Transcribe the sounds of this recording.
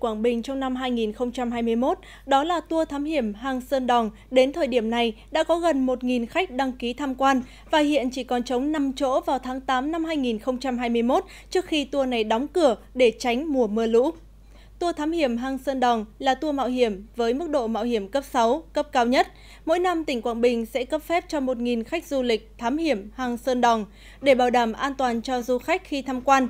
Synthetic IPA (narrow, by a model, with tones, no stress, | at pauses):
kwaː˧˩ŋɓï˨˩ŋ̟t͡ɕɔ˧wŋ͡mna˧mɦaː˧jŋi˨˩nxə˧wŋ͡mt͡ɕa˧mɦaː˧jmɨ˧əjmo˦˥t̚ | ɗɔ˨˦laː˨˩t̪u˧ət̪ʰaː˨˦mhi˧˩əmɦaː˧ŋsəː˧nɗɔ˨˩ŋ͡m | ɗe˨˦nt̪ʰəː˨˩jɗi˧˩əmna˨˩jɗa̰ː˧˥kɔ˨˦ɣə˨˩nmo˨˩t̚ŋi˨˩nxa˦˥jk̟̚ɗa˧ŋki˨˦t̪ʰaː˧mkwaː˧n | vaː˨˩ɦḭ˧˨ənt͡ɕi˧˩kɔ˨˩nt͡ɕə˨˦wŋ͡mna˧mt͡ɕo̰˧˥vaː˨˩wt̪ʰaː˨˦ŋt̪aː˨˦mna˧mɦaː˧jŋi˨˩nxə˧wŋ͡mt͡ɕa˧mɦaː˧jmɨ˧əjmo˦˥t̚ | t͡ɕɨ˦˥ək̚xi˧t̪u˧əna˨˩jɗɔ˨˦wŋ͡mkɨ˧˩ə | ɗe˧˩t͡ɕa˨˦jŋ̟mu˨˩əmɨ˧əlṵ˧˥ | t̪u˧ət̪ʰaː˨˦mhi˧˩əmɦaː˧ŋsəː˧nɗɔ˨˩wŋ͡mlaː˨˩t̪u˧əma̰ː˧˨wɦi˧˩əmvəː˨˦jmɨ˦˥k̚ɗo̰˧˨ma̰ː˧˨ɦi˧˩əmkə˦˥p̚sa˨˦wkə˦˥p̚kaː˨˧˦wɲə˦˥t̚ | mo̰˧˥jna˧mt̪ï˧˩ŋ̟kwaː˧˨nɓï˨˩ŋ̟sɛ̰˧˥kə˦˥p̚fɛ˦˥p̚t͡ɕɔ˧mo˨˩t̚ŋi˨˩nxa˦˥k̟̚zu˧lï˨˩k̟̚t̪ʰaː˨˦mhi˧˩əmhaː˧ŋsəː˧nɗɔ˨˩ŋ͡m | ɗe˧˩ɓaː˧˩wɗaː˧˩mʔaː˧nt̪waː˨˩nt͡ɕɔ˧zu˧xa˦˥jk̟̚xi˧t̪ʰaː˧mkwaː˧n